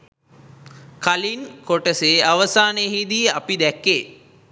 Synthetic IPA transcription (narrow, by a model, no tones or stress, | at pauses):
kalinkoʈəseːaʋəsaːneɦid̪ijəʔapid̪ɛkːeː